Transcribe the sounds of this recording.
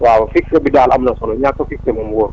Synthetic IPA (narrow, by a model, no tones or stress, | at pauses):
waːwɐfiksɛbidaːlɐmnɐsɔnɔɲakːɐfik̚sɛmɐmwɔ